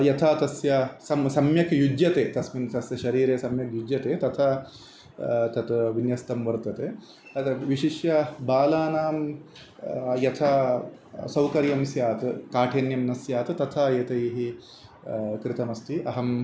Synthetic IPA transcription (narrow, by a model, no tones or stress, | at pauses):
jɐt̪ʰaːt̪ɐsjɐsɐmsɐmjɐkʰjud͡ʒjɐt̪eːt̪ɐsmint̪ɐsjɐʃɐɾiːɾeːsɐmjɐkjud͡ʒjɐt̪eːt̪ɐt̪ʰaː | t̪ɐt̪ʋinjɐst̪ɐmʋɐɾt̪ɐt̪eː | ɐt̪ʋiʃiʃjɐbaːlaːnaːm | jɐt̪ʰaː | sɐwkɐɾjɐmsjaːt̪ɨkaːʈʰeːnjɐmnɐsjaːt̪ɨt̪ɐt̪ʰaːjet̪ɐjɦi | kɾɪt̪ɐmɐst̪ʰiʔɐɦɐm